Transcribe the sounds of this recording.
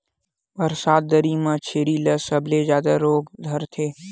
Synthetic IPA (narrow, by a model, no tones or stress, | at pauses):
bɐɾsaːd̪̚ːəɾimãt͡ʃʰeːɾiləsɐblezjaːd̪aɾoːɡd̪ʱɐɾt̪ʰeː